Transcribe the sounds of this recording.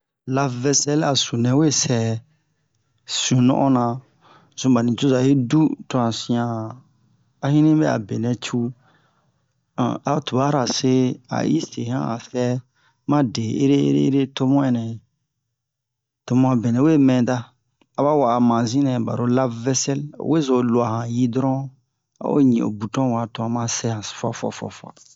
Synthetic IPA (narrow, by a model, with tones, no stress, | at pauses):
la˦vɛ˦sɛ˦la˨su˨nɛ̃˨we˦sɛ˨ | sũ˨nɔ̰̃˦ʔɔ̃˦nã˨ | zũ˦ba˨nĩ˨d͡ʒu˦za˨je˦du˦tɔ˦ã˨sĩ˦ã˨ | a˦hĩ˦nĩ˦bɛ˦a̰˨be˨nɛ̃˨t͡ʃu˦˨ | a˨˦tu˨ba˦ɾa˨se˦a̰˨ḭ˦se˨hã̰˦a̰˨fɛ˦ | mã˦de˨e˦ɾe˦ḛ˦ɾe˦e˦ɾe˦to˦mɔ̃˦ɛ˨nɛ̃˨ | to˨mɔ̃˦a˨bɛ˨nɛ̃˨we˦mɛ̃˨daː˦˨ | ba˦wa˨a˨mã˨zĩ˦nɛ̃˨ba̰˨ɾo˦la˦vɛ˦sɛ˦l̰we˦zo˨lo˨a˨hã˨ji˦dɾɔ̃˦ | a̰˦wo̰˦ɲĩ˨o̰˨bu˨tɔ̃˦wa˨tɔ̃˨mã˦sɛ˦hã˨fɔ˦fɔ̰˨fɔ̰˨fɔ̰˨